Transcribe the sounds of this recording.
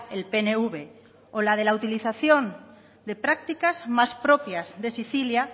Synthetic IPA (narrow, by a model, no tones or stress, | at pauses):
elpeneuβe | olað̞e̞laut̪iliθaθjon | d̪e̞pɾak̚t̪ikazmaspɾopjazðe̞siθilja